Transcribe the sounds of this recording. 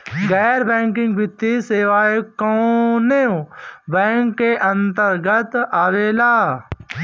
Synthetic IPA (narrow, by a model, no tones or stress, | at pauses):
ɡɛːɾbɛ̃ːŋkɪ̃ŋɡbɪt̪ːiseːʋaːekõːnẽbɛ̃ːŋkːeʔɐ̃nt̪əɾɡət̪aʋeːlaː